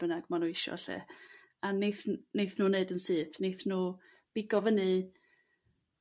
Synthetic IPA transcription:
b̥ənaɡmanuːɪʃɔ̰ɬɛ̰ | anejθnejθnuːneɨdənsɨːθnejθnuː | b̥ɪɡɔvənɨ

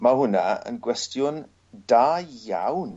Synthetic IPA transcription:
mahʊnaə̰nɡwɛstjʊn | daːjːa̰wn

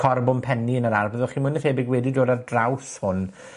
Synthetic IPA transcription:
kʰɔrbʊmpʰɛniənəɾarbəðʊχimənəθhebɪɡwɛdidoːdardrawθhʊn

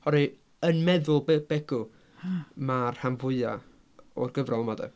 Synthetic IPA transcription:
hɔɾi | ənmɛðʊlˠbb̥ɛɡʊ | marhamvʊɨa̰ | ɔrɡəvrɔlˠmadɛ̰

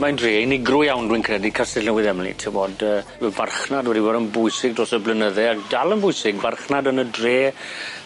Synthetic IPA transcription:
majndreːinɪɡrʊjawnrwɪnkʰrɛdikʰasɪnəwɪðɛmlḭtʰɛwboːdəːɛvarχnadwɛdibɔdənbʊjsɪɡdrɔsəblənəðɛakdalˠənbʊɨsɪɡvarχnadənədreː

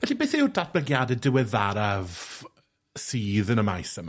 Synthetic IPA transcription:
vɛɬibeːθeudat̚b̥ləɡjadɛdɪwɛðaɾav | siːðənəmajsəm

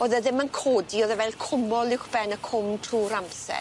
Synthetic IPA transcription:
oːðɛðɪmənkʰoːdioːðɛvɛlˠkʰʊmɔlˠɪwχb̥ɛnəkʰʊmtʰruːɾamsɛ̰

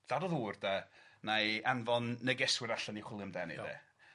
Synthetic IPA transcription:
d̥adɔðuːrdanajanvɔnːɛɡɛswɪɾaɬaniχwɪlˠəmdɛnḭðɛ̰

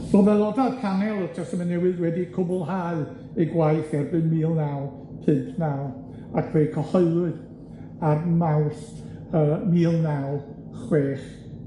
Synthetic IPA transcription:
b̥omɛlˠɔdaðkʰanɛlˠɔd͡ʒastmanɛwɨðwɛdikʰʊbʊlˠɦaːɨ | eɡwaɨθɛrbɨnmiːlˠnawlˠ | pʰɪmpʰnawlˠ | akʰr̥eːkʰɔhɔɨlˠɨð | armawθ | əːmiːlˠnawˠ | χweːχ

